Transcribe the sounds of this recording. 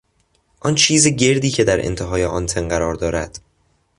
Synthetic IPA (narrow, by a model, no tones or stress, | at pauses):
ʔɒnt͡ʃʰiːzeɟe̞ɾd̪iːcʰe̞d̪æɾʔḛnt̪ʰeɦɒːjeʔɒnt̪ʰenɢæɾɒːɾd̪ɒːɾæd̪̥